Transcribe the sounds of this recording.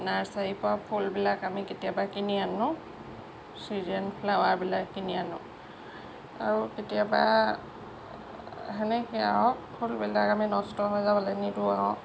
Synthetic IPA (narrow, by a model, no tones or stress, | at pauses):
naɹsajipʊapʰulbilakamiketijabakinianʊ | sizɛnpʰlawaɹbilakːinianʊ̰ | a̰ɹuketijaba̰ | ɦɛnɛkɛa̰ɔ̃pʰulbilakaminɔstɔɦɔjzabɔlɛnituaɦɔ̃